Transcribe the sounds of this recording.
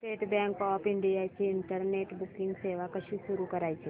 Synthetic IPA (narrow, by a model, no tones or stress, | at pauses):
ʈeːʈbɛ̃ːŋkɔːpɪ̃ɳɖijat͡ʃiɪ̃ɳʈəɾneːʈbʊkɪ̃ŋɡseːʋakɐt͡ʃʰiʃʊɾukɐɾaːit͡ʃʰeː